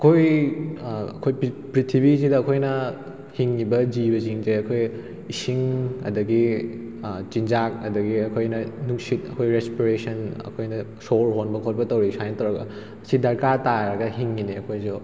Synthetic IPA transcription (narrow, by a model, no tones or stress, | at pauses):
ɐkʰoj | ɐ̰kʰojpɾitʰibizidɐːkʰojnɐ | hiŋːibɐd͡ʒibɐziŋzeɐkʰoj | isiŋɐ̰dɐɡi | t͡ʃind͡ʒak̚ɐdɐɡiɐkʰojnɐnuksit̚ɐkʰojɾespiɾesɐnɐ̰kʰojnɐsoɾɦonbɐkʰot̚pɐtɐwɾisajnɐtɐwɾɐɡɐ̰ | ɐsidɐɾkataɾɐɡɐɦiŋːiniɐkʰojzu